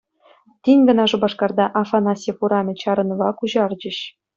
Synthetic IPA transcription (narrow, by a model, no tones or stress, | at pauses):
t̪ʲinʲɡɤ̆nɑʐɤ̆bɑʂkɑrd̪ɑʔɑfɑnɑsʲefuɾɑmʲĕt͡ɕɑɾɤ̆nɤvɑkuʑɑrd͡ʑɘ̆ɕ